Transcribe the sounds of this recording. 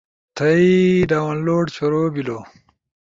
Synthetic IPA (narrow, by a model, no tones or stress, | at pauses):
t̪ʰɐiɖaːwɐnloːʈt͡ɕʰoɾoːbiloː